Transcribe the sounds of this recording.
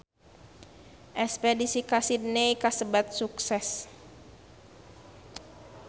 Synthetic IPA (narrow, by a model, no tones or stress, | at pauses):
ʔɛspɛdisikasidnejkasəbat̪̚suksɛs